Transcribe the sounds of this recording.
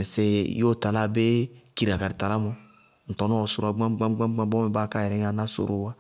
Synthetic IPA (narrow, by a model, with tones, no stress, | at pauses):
se˦jo˦ta˨la˦be˦ki˨ɾa˨ka˨ɾi˨ta˨la˦mõ˦ | n̩˨tɔ˨nũ˦ɔ˨so˨ɾa˨ɡ͡bã˦ɡ͡bã˦ɡ͡bã˦ɡ͡bã˦ɡ͡bɔ̃˦mɛ˨ba˦ka˦jɛ˨ɾɛ̃˦a˨na˦so̰˨ɾo˨wa˦